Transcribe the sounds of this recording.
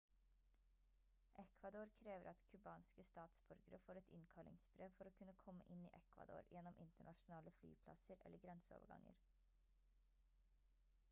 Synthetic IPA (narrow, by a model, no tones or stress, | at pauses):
ʔɛkʰʋɑd̪oːɾkʰɾeːʋəɾʔɑt̪kʰʉbɑːnskəst̪ɑːt̪sbʉɾɡəɾəfoːɾɛt̪ʰɪnkʰɑlʔɪ̰ŋsbɾeːʋfɔɾoːkʰʉnəkʰɔmːə̰ʔɪnḭːʔɛkʰʋɑ̰d̪o̰ːɾjɛnɔmʔɪnt̪əɳɑʃʊn̩ɑːləfly̰ːpʰlɑ̰səɾɛ̰ləɡɾɛnsəo̰ːʋəɡɑ̰ŋə̰ɾ